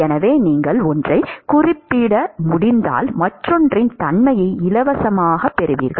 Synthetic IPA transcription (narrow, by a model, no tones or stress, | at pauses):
ɛnɐʋeːniːŋɡɐɭɔndrɐɪkʊrɪpːɪɽɐmʊɽɪnd̪a̰ːlmɐʈrɔndrɪnt̪ɐnmɐjɐɪɪlɐʋɐsɐmaːɣɐpːɛɾɯʋḭːɾɣɐɭ